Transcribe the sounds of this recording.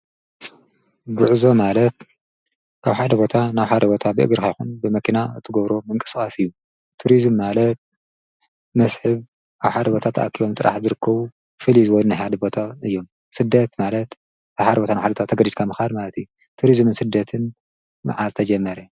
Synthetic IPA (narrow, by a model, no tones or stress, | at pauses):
ɡuʕzo̞malɐt̪̚ | ʔaβħad̪ɐbo̞t̪ʰanaβħad̪ɐbo̞t̪ʰabɨʔɨ̰ɡɨɾkʰajxunbɨmɐkʰinaɨt̪ʰɨɡɐβɾomɨŋkʼɨskʼasɨjːu | t̪ʰuɾizmːalɐt̪̚ | mɐsħɨβ | ʔaβħad̪ɐbo̞t̪ʰat̪ʰɐ̰ʔakʰiβo̞mt̪ʼɨɾʔa̰ħzɨɾɨkʰːɐβu | fɨlizɨwɔlnɨħad̪ɐbo̞t̪ʰaɨjːo̞m | sɨd̪ːɐt̪malɐt̪ | ʔaβħad̪ɐbo̞t̪ʰanaħad̪bot̪ʰat̪ʰːɐɡɐd̪id̪kʰamɨxad̪malɐt̪ʰiju | t̪ʰuɾizmɨnsɨd̪ːɐt̪ʰɨn | ma̰ʕazɨt̪ʰɐd͡ʒɐmːɐɾɛ